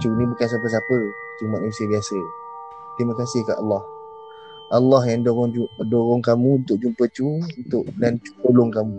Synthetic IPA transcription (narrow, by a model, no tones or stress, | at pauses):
t͡ʃunĩbukans̬ap̬əs̬apət̪umanusiəbiasə | t̪ɾimakasɪhka̰ʔalːɑh | ʔalːɑɦjaŋdoɾʊŋudoɾʊŋkamũunt̪ʊʔ̚d͡ʒumpət͡ʃuunt̪ʊʔlant͡ʃu̥t̪olʊŋkamũ